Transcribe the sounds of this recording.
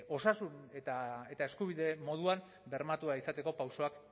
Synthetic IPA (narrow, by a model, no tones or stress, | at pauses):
o̞sasunet̪ae̞t̪ae̞skuβ̞iðe̞mo̞ð̞uam | be̞ɾmat̪uaisat̪e̞ko̞pawso̞ak